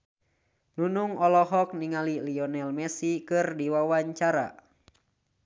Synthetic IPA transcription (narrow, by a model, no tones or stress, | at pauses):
nunuŋɔlɔɦɔk̚niŋaliliɔnɛlmɛsikɨrdiwawaɲt͡ʃaɾa̰